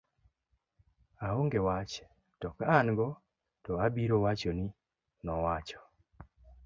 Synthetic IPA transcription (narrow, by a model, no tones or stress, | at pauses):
aoŋɡewat͡ʃ | tɔkaanɡɔ | tɔabiɾowat͡ʃoni | nɔwat͡ʃɔ̥